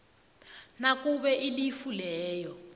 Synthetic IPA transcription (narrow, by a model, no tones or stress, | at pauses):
nakuɓɛʔilifulɛːjɔ